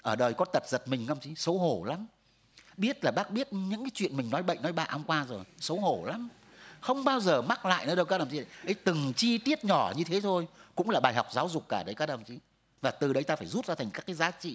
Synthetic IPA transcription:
ʔəː˧˩ɗəː˨˩jkɔ˨˦t̪ə˨˩t̚zə˨˩t̚mï˨˩ŋ̟kːwŋ͡mt͡ɕi˨˦sə˨˦wɦo˧˩la˨˦m | ɓi˦˥ət̚laː˨˩ɓaː˦˥k̚ɓi˦˥ət̚ɲɨ̰˧˥ŋkaː˨˦jt͡ɕwḭ˧˨ənmï˨˩ŋ̟nɔ˨˦jɓə̰˧˨ŋnɔ˨˦jɓa̰ː˧˨ʔhə˧ŋ͡mkwaː˧zo˨˩jsə˨˦wɦo˧˩la˨˦m | xə˧wŋ͡mɓaː˧wzəː˨˩ma˦˥t̚la̰ː˧˨jnəː˨˦ɗə˧wkaː˦˥ə˧˩mt͡ɕi˦˨˦ʔə˨˦jt̪ɨ˨˩ŋt͡ɕi˧t̪i˦˥ət̚ɲɔ˧˩ɲɨ˧t̪ʰe˨˦t̪ʰo˧jkʊ̰˧˥ŋ͡mlaː˨˩ɓaː˨˩jɦa˨˩wk͡p̚zaː˨˦wzʊ˨˩k͡p̚kaː˧˩ɗə˨˦jka˦˥ʔə˧˩mt͡ɕi˨˦ | vaː˨˩t̪ɨ˨˩ɗə˨˦jt̪aː˧faː˧˩jzu˦˥t̚zaː˧t̪ʰŋkaː˦˥kːaː˨˦jzaː˨˦t͡ɕḭ˧˨

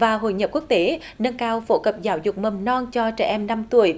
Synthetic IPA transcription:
vaː˨˩ɦo̰˧˨jɲə˨˩p̚ku˦˥ək̚t̪e˧˦ | nə˧ŋkaː˧wfo˧˦kə˨˩p̚zaː˨˦wzʊ˨˩k͡p̚mə˨˩mnɔ˧nt͡ɕɔ˧t͡ɕɛ̰˧˩ʔɛ˧mna˧mt̪u˧˩əj

